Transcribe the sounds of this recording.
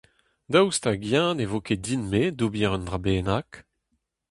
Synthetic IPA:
dawstaɡjãnevokedinmedubiʁɔndʁabeːnak

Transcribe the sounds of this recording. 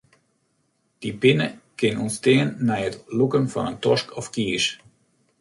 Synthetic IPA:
d̥ibɪnəkɪnʊnsteːənːɛjətlukənfɔ̰nəntɔʃkɔfkiːʃ

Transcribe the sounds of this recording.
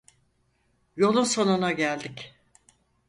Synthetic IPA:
jo̞lˠunso̞nunaɟælʲd̪ic

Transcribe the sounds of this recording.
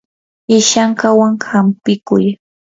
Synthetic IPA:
ɪʃaŋkawaŋhampɪkʊj

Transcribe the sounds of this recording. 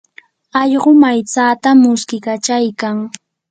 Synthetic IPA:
ɑʎɢomajt͡saːt̪amʊskɪkat͡ʃajkaŋ

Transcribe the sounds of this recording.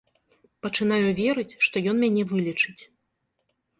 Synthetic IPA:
pɐt͡ʂɨnajuvʲɛɾɨt͡sʲʂt̪ɔjɔnmʲanʲɛvɨlʲit͡ʂɨt͡sʲ

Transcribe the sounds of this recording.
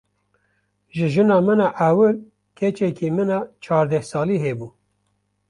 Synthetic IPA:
ʒɨʒɨnɑːmɨnɑʔæwɨɾ | kʰɛt͡ʃɛkimɨnɑt͡ʃʰɑːɾd̪ɛhsɑːliːɦeːbuː

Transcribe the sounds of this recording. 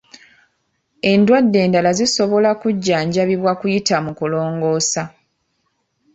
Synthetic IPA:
e̞ndwadːe̞ːndalaziso̞βo̞lakuɟːaːɲɟaβiβwakujitamukulo̞ːŋɡo̞ːsa

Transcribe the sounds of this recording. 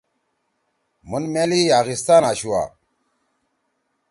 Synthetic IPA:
munmelijaːɣist̪aːnaɕuwa̰

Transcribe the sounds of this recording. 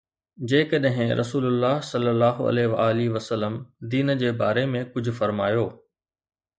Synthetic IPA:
d͡ʑeːkəɗɦɪ̃ɾʔɐ̰suːlʊlːaːɦsɐlːəlːaːɦo̰ɐ̰leʋaaːliʋɐsəlːəmd̪iːnd͡ʑeːbaːɾemẽkʊd͡ʑʱʊ̆fɐɾmaːjoː

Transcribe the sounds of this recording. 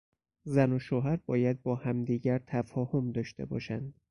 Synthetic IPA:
zænoʃoːɦæɾbɒːjæd̪̚bɒːhæmd̪iːɟæɾt̪ʰæfɒːhomd̪ɒːʃt̪e̞̰bɒ̰ːʃænd̪̥

